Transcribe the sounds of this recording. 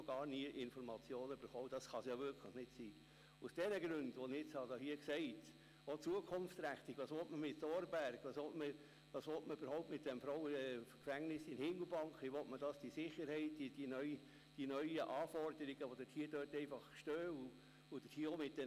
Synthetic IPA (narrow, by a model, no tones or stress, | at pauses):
oɡɑːɾniəʔɪnfɔɾmɑt͡sjoːnəybəɾχɔʊəd̥ɑsχɑsjɑːʋɪɾkʰləχnɪtsiː | usd̥ɛnəɡɾʉndʋɔnɪɪt͡shɑdɑhiəksɛɪt | ot͡suəkʰʊnft͡sɾæχt̪iɡʋɑːsʋɔtməmɪtd̥ɔːɾbæɾɡ̥ʋɑsʋɔtmə | ʋɑːsʋɔltməybəɾhɔʊp̚tmɪt̚d̥ɛmfɾɔʊwəkfæŋnɪsɪnhɪŋɡl̩ˠbɑŋkχʋiʋɔtmədɑsd̥isɪχəɾhɛɪt̚d̥idinœʏ | d̥inœʏəʔɑːfɔrdəɾiɡ̥əʋod̥əthiəd̥øːrtɛɪfɑχʃtøːu | ʊd̥əthiəɔmɪt̚d̥ɛ